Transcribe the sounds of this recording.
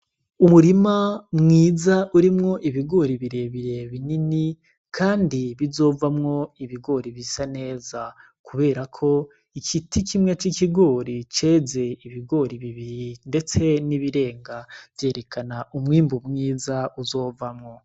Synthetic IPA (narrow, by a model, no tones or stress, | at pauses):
umuɾimamŋiːzaʔuɾimŋo̞ʔiβiɡo̞ːɾiβiɾe̞βiɾe̞βinini | kʰaːndiβizo̞ːvamŋo̞iβiɡo̞ːɾiβisane̞ːza | kuβe̞ːɾakʰo̞ | ikʰitikimŋe̞t͡ʃikiɡo̞ːɾit͡ʃe̞ːze̞iβiɡo̞ɾiβiβiɾinde̞t͡se̞niβiɾe̞ːŋɡavje̞ːɾe̞kʰanaʔumŋiːmbumŋiːzauzo̞ːvamŋo̞